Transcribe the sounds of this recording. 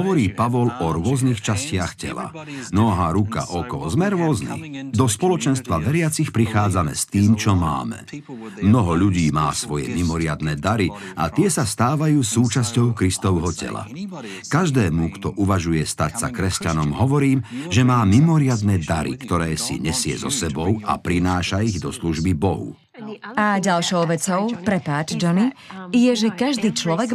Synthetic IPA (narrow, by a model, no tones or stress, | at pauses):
ɦɔʋɔɾiːpaʋɔlɔɾʊɔznixt͡ʃascɪaxcɛ̰la̰nɔɦaːɾuka̰ʔɔkɔzmɛɾʊɔznḭd̪ɔspɔlɔt͡ʃɛnst̪ʋaʋɛɾɪat͡sixpɾixaːd͡zanɛ̰ːst̪iːmt͡ʃɔma̰ːmɛ̰ | mnɔɦɔʎuɟiːma̰ːsʋɔjɛ̰mimɔɾɪad̪nɛːd̪aɾi | a̰t̪ɪɛsast̪aːʋajuːsuːt͡ʃascɔʊkɾist̪ɔʊɦɔcɛ̰la̰ | kaʒd̪ɛːmukt̪ɔʔuʋaʒujɛst̪acsa̰kɾɛscanɔmɦɔʋɔɾiːmʒɛmaːmimɔɾɪad̪nɛːd̪aɾḭkt̪ɔɾɛːsḭɲɛsɪɛ̰zɔ̰sɛbɔʊa̰pɾinaːʃaiɣd̪ɔsluʒbibɔɦṵ | aɟalʃɔʊʋɛt͡sɔʊpɾɛpaːd͡ʒd͡ʒɔnijɛʒɛkaʒd̪iːt͡ʃlɔʋɛɡ